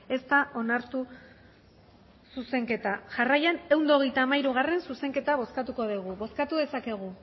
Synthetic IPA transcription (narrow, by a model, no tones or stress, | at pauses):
e̞st̪aʔo̞naɾt̪u | suse̞ŋke̞t̪aʝarajane̞wnd̪o̞ɣ̞e̞jt̪aːmajɾuɣ̞are̞nsuse̞ŋke̞t̪aβ̞o̞skat̪uko̞ðiɣ̞uβo̞skat̪uðe̞sake̞ɣ̞u